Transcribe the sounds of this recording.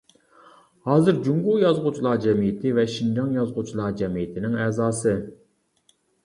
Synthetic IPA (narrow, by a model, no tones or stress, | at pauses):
hɑːzɨɾd͡ʒuŋɡujɑzʁut͡ʃʰilˠɑd͡ʒɛmijɪt̪ʰɪvɛʃind͡ʒɑŋjɑzʁut͡ʃʰilˠɑd͡ʒɛmijɪt̪ʰɪnɪŋɛːzɑːsɨ